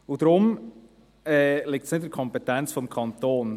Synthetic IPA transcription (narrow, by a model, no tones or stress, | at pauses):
ud̥ɾʊm | ɛːlɪk̚tsnɪtdəɾkʰɔmpɛtɛnt͡sfɔmkʰɑnt̪oːn